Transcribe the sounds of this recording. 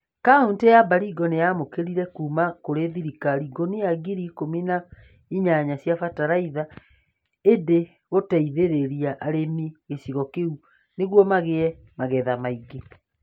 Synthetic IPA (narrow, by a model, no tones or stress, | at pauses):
kaontejabaɾiɡɔnejamokeɾiɾɛkuːmakoɾeðiɾikaɾiɡoneaɡiɾikomina | iɲaɲasjafataɾaiða | ede | ɣotaiðeɾeɾiaʔːɾemiɣesiɣɔkeu | neɣwɔmaɣeɛ | maɣɛðamaiɡe